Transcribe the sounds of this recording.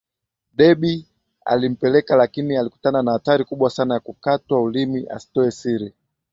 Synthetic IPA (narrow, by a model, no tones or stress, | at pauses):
ɗɛɓi | a̰lim̩pɛlɛkalakinialiku̥tananahataɾikuɓwasanajakukatwaulimiʔa̰si̥tɔɛsiɾi